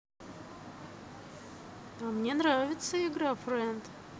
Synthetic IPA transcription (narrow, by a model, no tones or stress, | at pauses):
amnʲe̞nɾavʲɪt̪səɪɡɾafɾɛnt̪